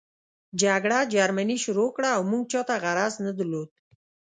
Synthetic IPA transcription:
d͡ʒaɡɽad͡ʒaɾmaniʃʊɾokɽaːwmuɡ̚t͡ʃɑt̪aɣaɾaznəd̪əɾlod̪̚

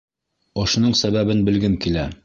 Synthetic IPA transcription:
ŏʃŏnɤɴsæβæβɘnbɘ̆lɡɘmkilæ

